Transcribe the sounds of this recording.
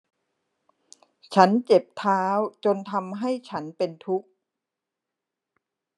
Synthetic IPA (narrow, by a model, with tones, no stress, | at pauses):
t͡ɕʰa˦˥nt͡ɕe˨˩p̚t̪ʰaː˦˥wt͡ɕo˧nt̪ʰa˧mɦa˥˩jt͡ɕʰa˦˥npe˧nt̪ʰu˦˥k̚